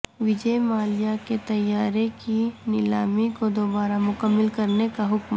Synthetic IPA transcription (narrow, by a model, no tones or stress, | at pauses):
ʋɪd͡ʒəjmaːlɪjaket̪ɐjːaːɾekinɪlaːmikod̪oːbaːɾamʊkəmːɪlkɐɾnekaɦʊkm